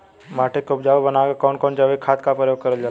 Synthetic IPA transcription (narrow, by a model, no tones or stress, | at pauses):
maːʈʰekop̚d͡ʒaːʋbənaɡekɔːnkɔːnd͡ʒaʋekʰaːt̪kapɾəjoːɡ̚kəɾəld͡ʒaː